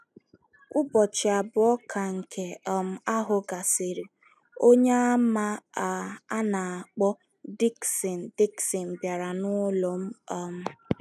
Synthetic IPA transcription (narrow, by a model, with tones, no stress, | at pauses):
ʊ˦bɔ˨t͡ʃɪ˨a˨bʊ˨ɔ˦kʰa˨ŋ̩˨kʰe˨ɔ˨m̩˦˨a˦ɦʊ˨ɡa˨sɪ˨ɾi˨ | o˦ɲe˦a˦ma˦a˨a˦na˨a˨k͡pɔ˦ | di˦ksi˨n̩˨di˦ksi˨m̩˨bja˨ɾa˨nʊ˦lo˨m̩˦ɔ˦m̩˦